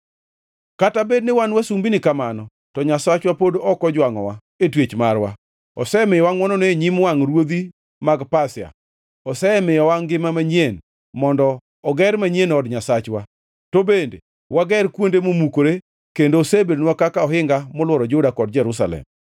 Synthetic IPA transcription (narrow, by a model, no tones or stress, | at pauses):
katabednɪwanwasumbinɪkamanɔ | tɔɲasat͡ʃwapodɔkɔd͡ʒwaŋɔwa | etwet͡ʃmaɾwa̰ | ɔ̰sɛmɪjɔwaŋwɔnɔneeɲimwaŋɾwod̪i | maɡpasja̰ | ɔsɛmɪjɔwaŋɡɪmamaɲjen | mɔndɔː | ɡɛɾmaɲenɔdɲasat͡ʃwa | tobendḛ | waɡɛɾkwondemomukoɾe | kendosebenwakakaɔɦɪŋɡamɔlwɔɾɔd͡ʒʊdakɔd̚d͡ʒɛɾus̬a̰lɛ̰m